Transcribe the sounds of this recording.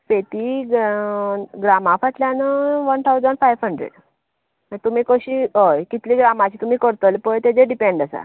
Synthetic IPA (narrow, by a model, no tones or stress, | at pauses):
fet̪iɡ | ɡɾamafat̪ljanəʋənt̪ʰaud͡zʋənfajʋɦəɳɖɾḛɖ | ət̪umiːkəɕiːɦojkit̪liːɡɾamat͡ɕiːt̪um̤iːkəɾt̪əlpəjt̪ed͡zeɖipeɳɖəsa̰